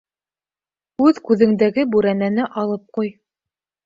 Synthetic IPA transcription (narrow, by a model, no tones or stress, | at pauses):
ʉðkʉðɘ̆ŋd̪æɡɘbʉɾænænɘʔɑlˠɤp̚quj